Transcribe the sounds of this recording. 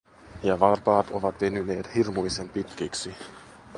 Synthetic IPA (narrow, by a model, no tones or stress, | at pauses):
jɑʋɑrpɑːt̪oʋɑt̪ʋenyne̞ːt̪hirmujse̞mpit̪kæksi